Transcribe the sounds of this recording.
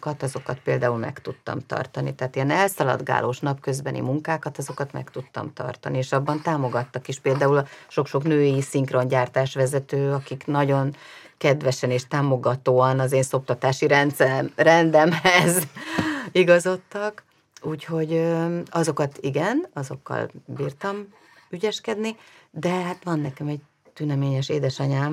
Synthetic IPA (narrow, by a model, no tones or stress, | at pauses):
kɒt̪ɒzo̞kɒt̪̚peːld̪aːulmɛ̰kt̪ut̪ːɒ̰mt̪ɒ̰rt̪ɒnit̪ɛɦːt̪eɛnɛlsɒlɒ̰d̪ɡa̰ːlʔoːʃnɒpkø̞zbɛnʔḭmuŋkaːkɒt̪ɒzo̞kɒt̪mɛ̰kt̪ut̪ːɒ̰mt̪ɒ̰rt̪ɒnieːʃɒbːɒnt̪aːmo̞ɡɒt̪ːɒkeʃpeːld̪aːulɒʃo̞kʃo̞knøːjisiŋkro̞ɲɟaːrt̪aːʃʋɛzɛt̪øːɒkiknɒɟo̞n | kɛd̪ʋɛʃɛneːʃt̪aːmo̞ɡɒt̪oːɒnɒzeːnso̞p̚t̪ɒt̪aːʃiɾɛnt̪sɛɾɛmrɛnd̪ɛmhɛz | iɡɒzo̞t̪ːɒk | uːcho̞ɟøɒzo̞kɒt̪iɡɛnɒzo̞̰kːɒ̰lbiːrt̪ɒm | yɟɛʃkɛd̪nid̪ɛɦaːt̪ʋɒnːɛkɛmɛɟ | t̪ynɛmeːɲɛʃeːd̪ɛʃɒɲaːm